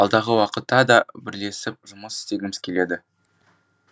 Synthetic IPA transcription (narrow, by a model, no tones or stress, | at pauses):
ɑlˠd̪ɑʁəwɑqət̪ːɑd̪ɑbɪɾle̞sɪp̚ʒʊməsɪ̥t̪e̞ɡʲɪmɪz̥kʲʰe̞le̞d̪ɪ